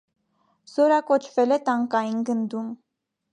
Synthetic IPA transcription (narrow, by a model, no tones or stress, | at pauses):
z̥ɔɾɑkɔt͡ʃʰvɛlɛt̪ɑŋkɑjinɡənd̪um